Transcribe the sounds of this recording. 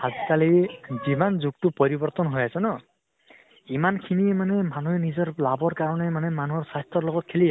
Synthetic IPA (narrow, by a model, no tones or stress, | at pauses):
hazikalizimanzuɡ̚tupɔɾibɔɹt̪ɔnɦojasɔnɔ | imankʰinimanemanuɦenizɔɹlabɔɹkaɹɔnɛmanemanuɦɔɹsast̪ɔɾlɔɡɔt̪̚kʰeli